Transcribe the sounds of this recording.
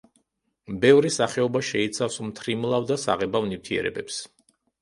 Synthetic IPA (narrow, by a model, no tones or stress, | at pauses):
bɛvɾisaχɛɔbaʃɛit̪sʰafsmt̪ʰɾimlˠavd̪asa̰ʁɛbavnift̪ʰiɛ̰ɾɛ̰bɛps